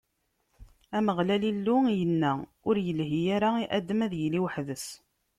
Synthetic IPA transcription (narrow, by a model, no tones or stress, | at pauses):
æməʁlælilːʊjənːæʊɾjəlɦijaɾaiʔæd̪əmæðjliwħðəs